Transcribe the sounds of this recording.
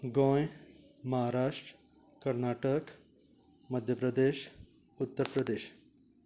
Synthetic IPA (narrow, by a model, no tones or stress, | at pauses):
ɡõːj | mɐɦaɾaːʃʈɾ | kɐɾnaːʈək | mɐd̪ʱjəpɾɐd̪eːʃ | ut̪ːəɾpɾəd̪eːʃ